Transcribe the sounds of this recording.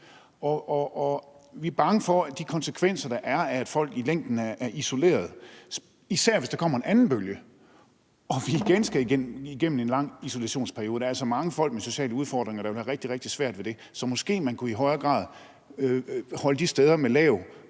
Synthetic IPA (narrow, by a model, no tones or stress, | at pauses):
ɒʔɒʔɒʋiæɐb̥ɑ̈ŋəfɒ̽æd̥ikʰɒ̽nsəkʰʋen̰sɐd̥ɑ̈ʔæɐææd̥fɒ̽l̰ɡ̥ileŋ̰d̥n̩ææɐʔiso̝le̝̰ːɐð̞̩ˠ | isæɐ̰ʋe̝sd̥ɑ̈kʰɒ̽m̰ɐe̝nænn̩b̥øljə | ɒ̽ʋiːɡ̥ensɡ̥æiɡeiɡ̥em̰n̩e̝nlɑ̈ŋ̰iso̝læɕo̝̰ːnspʰæɐio̝ːð̩ˠdɑæls̬ɒmɑ̈ŋəfɒ̽l̰ɡ̥meso̝ɕɛ̰ːləuðˠfɒːd̥ʁeŋɐɾ̥ɑ̈ʋe̝ʋæɐʁeɡ̥̚d̥iʁeɡ̥̚d̥isʋæɐ̰d̥ʋe̝d̥e̝ | sɒ̽mɒ̽sɡ̥e̝̰ːmænkʰuiɦɒ̽ɪɐɡ̥ʁɑ̰̈ːðˠ | hɒ̽ləd̥isd̥eð̞ˠɐmelɛ̰ːʊ